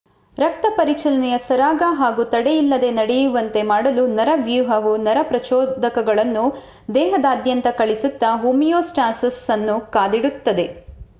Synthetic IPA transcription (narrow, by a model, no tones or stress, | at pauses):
ɾɐk̚t̪ɐpɐɾit͡ʃɐlɐnɛjɐsɐɾaːɡɐɦaːɡut̪ɐɽejilːɐd̪e̞nɐɽɛjuʋɐnt̪e̞maːɽɐlunɐɾɐʋjuːɦɐʋunɐɾɐpɾɐt͡ʃɔːd̪ɐkɐɡɐɭɐnːu | d̪ɛːɦɐd̪aːd̪jɐnt̪ɐkɐɭisut̪ːɐɦuːmijoːsʈaːnsɐsɐnːukaːd̪iɽut̪ːɐd̪e̞